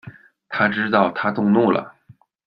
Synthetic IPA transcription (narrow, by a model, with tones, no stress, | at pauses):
t̪ʰa˥ʈ͡ʂɻ̩˥t̪ɑ˥˩ʊt̪ʰa˥t̪ʊ˥˧ŋnu˥˩lə̰˩